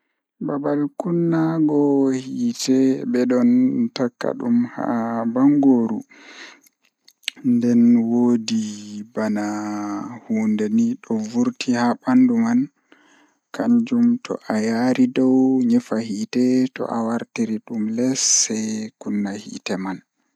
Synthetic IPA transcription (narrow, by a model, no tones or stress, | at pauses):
babalkunːaɡɔhiːtɛbɛɗɔntakːa̰ɗumha̰baŋɡoːɾu | ndɛnwoːdibana | huːndeniɗɔvuɾtihaɓanduman | kaɲd͡ʒumtʰɔ̰ʔajaɾidɔwɲɛfahitɛtɔ̰ʔawaɾtiɾiɗumlɛsːɛkunːahḭːtɛman